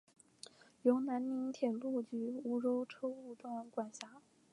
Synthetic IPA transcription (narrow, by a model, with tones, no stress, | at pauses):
jo˧˥ʊna˧˥nmi˧˥nt̪ʰjɛ˨˩lu˥˩t͡ɕy˧˥u˧˥ʈ͡ʂo˥ʊʈ͡ʂʰɤ˥u˥˧t̪wa˥˩nkwa˨˩nɕa˧˥